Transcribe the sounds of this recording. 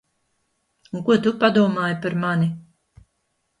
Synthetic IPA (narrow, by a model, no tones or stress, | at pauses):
ukuɔt̪upad̪uɔmaːjpaɾmani